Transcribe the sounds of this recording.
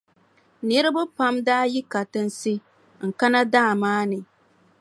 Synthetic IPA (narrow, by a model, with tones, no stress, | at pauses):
nɨ˦ɾɨ˦bʊ˦pa˦mdaː˦ji˦ka˨tɨ˦n˦si˦ | ŋ̩˨ka˦na˦daː˦˨maː˦nɨ˨